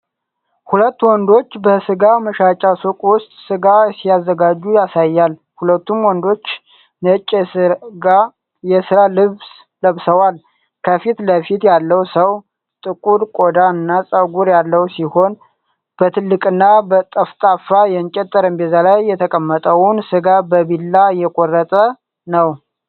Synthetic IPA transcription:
hulət̪ːwɔnd̪o̞t͡ʃːbəsɨɡaməʃat͡ʃʼasukʼwʊst̪ʼsɨɡasiazːəɡad͡ʒːujasajːal | hulət̪ːumwɔnd̪o̞t͡ʃː | nət͡ʃʼːsɨɡa | jɛsɨɾalɨβs | ləβsəwal | kʰəfit̪ləfit̪jalːəwsəw | t̪ʼɨkʼud̪kʼod̪aɨnːasʼəɡuɾjalːəwsiho̞n | b̥ət̪ʰɨlːɨkʼɨnːabət̪ʼəft̪ʼafajɛnt͡ʃʼɛt̪ʼːəɾəmbezalajːɛt̪ʰəkʼəmːət̪ʼəwʊnsɨɡabəbilːajɛkʼorːət̪ʼə | nəw

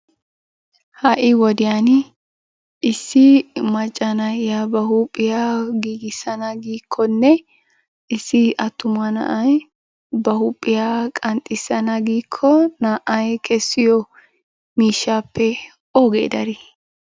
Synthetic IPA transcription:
hɐʔɪwɔd̪ɪjan | ɪsːɪmɐt͡ʃʼːɐnɐjjabɐhupʼːɪjaːɡiːɡɪsɐnɐɡiːkʰːɔnːɛ | ɪsːɪʔɐt̪ːʊmɐnɐ̰ʔɐj | bɐhʊpʼːɪjaːkʼɐnt̪ʼɪsːɐnɐɡiːkʰːɔnaːʔɐjkʰɛsːɪjɔ | miːʃːaːpːɛ | oːɡḛːd̪ɐɾɪ

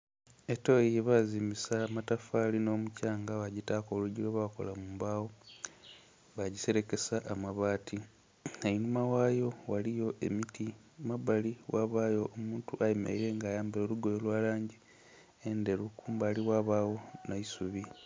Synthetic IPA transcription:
eto̞jeβaziːmisamatafaːlino̞ːmucaːŋɡaβaɟitaːko̞ːluɟiɾoβako̞̰lamuːmbaːwo | βaɟise̞ɾe̞ke̞saʔamaβaːtʰi | ainumawaːjo̞walijo̞ʔe̞̰miti | maβaliwaβaːjo̞ʔːmuːntuʔaima̰iɾe̞ːŋɡaːjaːmbeoluɡo̞jolwaːlaːɲɟi | ende̞lukuːmbaːliwaβaːwo̞naisuβi

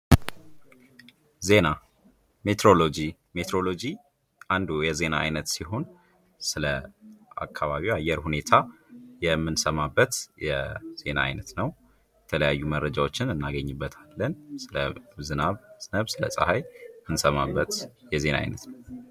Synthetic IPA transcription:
ze̞na | met̪ɾo̞lo̞d͡ʒi | met̪ʰɾo̞lo̞d͡ʒi | ʔand̪ujɛze̞na̰a̰jnət̪siɦo̞n | sɨləʔa̰kʰːaβaβiwajːɛɾhune̞t̪ʰajɛmːɨnsəmabːət̪jɛ̰z̥e̞na̰a̰jnət̪nəw | jɛt̪ʰələjajːuməɾːəd͡ʒawot͡ʃːɪnɨnːaɡəɲːɨbːət̪ʰalːənsɨləzɨnaβz̥ɨnəβsɨlə̰sʼəhajmɨnsəmabːət̪jɛze̞na̰a̰jnət̪nəw

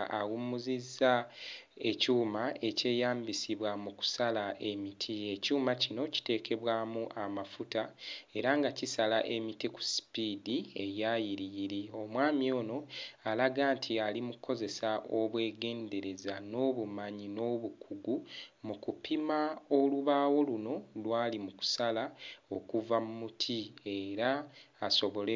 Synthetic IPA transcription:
a̰wumuzizːa | ecuːmae̞ce̞ːjaːmbisiβwamuku̥salaʔe̞mitʰie̞cuːmacino̞ci̥te̞ːke̞βwamuʔamafutae̞ɾaŋɡacisalaʔe̞mitiku̥si̥pidie̞jajiɾijiɾio̞mwaːmio̞ːno̞alaɡaːntʰialimukuko̞ze̞saʔoβwe̞ːɡe̞ːnde̞ɾe̞zano̞ːβumaɲino̞βukʰuɡumukupʰimaoluβaːwo̞luno̞lwaːlimuku̥salao̞kuvamumutʰie̞ɾaːso̞βo̞le

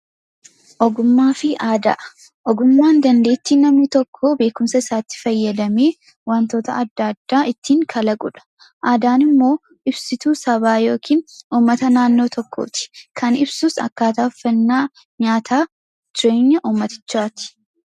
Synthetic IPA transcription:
ʔɔɡʊmːaːfɪaːd̪ɐ̰ʔ | ʔɔɡʊmːaːnd̪ɐnd̪e̞ːt̪ːinɐmnɪt̪ɔkʰːoːbe̞ːkʊmsɐɪsaːt̪ːɪ̥fɐjːɐd̪ɐmeː | want̪o̞ːt̪ɐɐd̪ːad̪ːaːʔɪt̪ːiːŋkʰɐlɐɡʼʊᶑɐ̥ | ʔaːd̪aːnɪmːo̞ː | ɪbsɪt̪uːsɐβaːjo̞ːkʰiːnuːmːɐt̪ɐnaːnːo̞ːt̪ʰɔkːo̰ːt̪ɪ̥kʰɐnɪbsuːsɐ̰kːaːt̪aːfːɐnːaː | ɲaːt̪ʰaː | d͡ʒɪɾeːɲːɐʔuːmːɐt̪ɪ̥t͡ʃːaːt̪ɪ̥

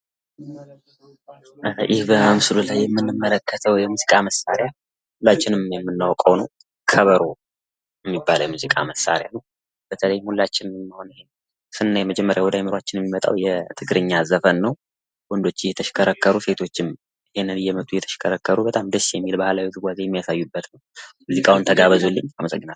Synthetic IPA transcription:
jɪhbəmɨsɨlulajːɛmːɨnːɨmːələkːət̪ʰəwjɛmuzikʼaməsaɾja | hulːat͡ʃːɪnɨmmjɛmːɨnːawkʼəwnəw | kʰəβəɾo | jɛmːibːalwjɛmuzikʼa̰məsa̰ɾjanəw | b̥ət̪ʰələjmhulːat͡ʃːɪnmːəho̞nɪhen | sɨnːajɛməd͡ʒɛmːəɾjawɔd̪ajmɨɾat͡ʃːɪnjɛmimət̪ʼa̰wjɛt̪ʰɨɡɾɨɲːazəfənːəw | wɔnd̪o̞t͡ʃːjɛt̪ʰəʃkʰəɾəkːəɾuse̞t̪ʰo̞t͡ʃːɪm | ɨhenːɨnɨjɛmət̪ʼujɛt̪ʰə̥ʃɪ̥kʰəɾəkːəɾubət̪ʼamd̪əsːjɛmːilbahlawit̪ʰɨɡʷazejɛmːijasajːubːət̪nəwmuzikʼawɨnt̪ʰəɡaβəzolːəɲːaməsʼə̰ɡːɨnal

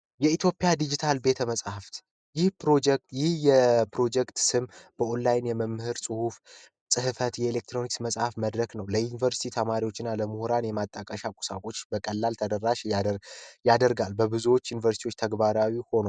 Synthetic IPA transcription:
jɛit̪jo̞pʼːɪjad̪id͡ʒit̪ʰalbe̞t̪ʰəməsʼhaft̪ | jɪhpɾod͡ʒɛkt̪jɪhjɛpʰɾo̞d͡ʒɛkt̪sɨmb̥əʔolːajnjɛməmːhɨɾsʼɨhuf | sʼɨhɨfət̪jɛelek̚t̪ʰɾo̞niksməsʼhafməd̪ɾəɡnəwləjunivəɾsi̥t̪ʰit̪ʰəmaɾiwo̞t͡ʃːɪnːaləmuhuɾanjɛmat̪ʼːəkʼəʃakʼu̥sakʼo̞t͡ʃːbəkʼəlːalt̪ʰəd̪əɾːaʃ | jad̪əɾɡalbəbɨzuwo̞t͡ʃːjunivəɾsit̪ʰiwot͡ʃːt̪ʰəɡbaɾawiho̞no

